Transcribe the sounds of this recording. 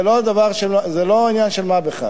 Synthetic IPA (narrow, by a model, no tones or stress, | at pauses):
lod̪avaʁʃelzeloinjanʃelmabeχa̰